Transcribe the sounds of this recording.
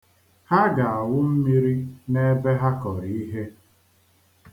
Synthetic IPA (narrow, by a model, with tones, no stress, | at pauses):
ha˦ɡa˨a˨wʊ˦m̩˦mi˦ɾi˦ne˦be˦ɦa˦kɔ˨ɾi˨i˦ɦe˦